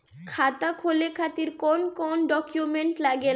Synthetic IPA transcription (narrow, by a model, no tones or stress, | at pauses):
kʰat̪akʰolekʰat̪iɾkonkonɖɔkjumeɳʈlaɡe